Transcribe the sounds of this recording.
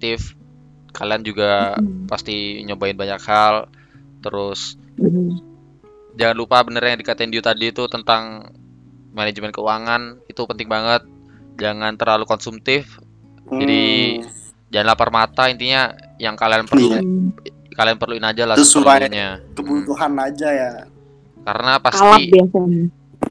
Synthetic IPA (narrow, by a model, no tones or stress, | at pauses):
t̪ɪf | kaliand͡ʒuɡapast̪iɲobaɪnbaɲakhal | t̪əɾʊs | d͡ʒaŋanlupabənərjjadikat̪aɪndiut̪adiːt̪ut̪ənt̪aŋ | maned͡ʒmɛnkəuaŋanit̪upənt̪ɪŋbaŋət̪̚ | d͡ʒaŋant̪ərlalukɔnsumt̪ɪf | d͡ʒadi | d͡ʒanlahparmat̪aint̪iɲa | jaŋkalianpəlu | kalianpərluɪnad͡ʒalasuəaɲɲakəbut̪uɦanad͡ʒaja | ka̰ɾənapasalaibiasaɲa